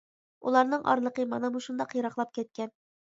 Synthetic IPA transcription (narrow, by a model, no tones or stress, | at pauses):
ṵlˠɑɾnɤɴʔɑ̰ɾlˠɤ̆qɤmɑ̰nɑmuʃund̪ɑqjɤɾɑqlˠɑp̚kʲɛt̪̚kʲɛn